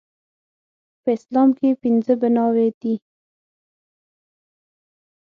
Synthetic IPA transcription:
pəɪslɑmkepɪnzəbɪnɑwed̪̥i

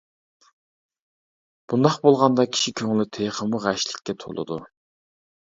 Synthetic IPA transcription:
b̥und̪ɑχbolˠʁɑnd̪ɑkʲʰi̥ʃikʲʰøŋlɪt̪ʰejχəmuʁæʃlɪkʲːɛt̪ʰo̰lˠɨ̰d̪u

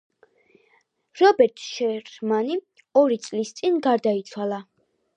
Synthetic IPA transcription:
ɾɔbɛɾt̪ʼʃɛɾmani | ɔɾit̪sʼlist̪sʼinɡaɾd̪ait̪sʰwalˠa

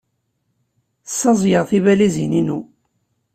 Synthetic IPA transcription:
sːɑzˤjəʁθivælizininu

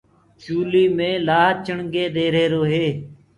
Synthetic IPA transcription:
t͡ʃuːliːmẽːlaːt͡ʃəɳɡeːd̪eːɾeːɾoːɦeː

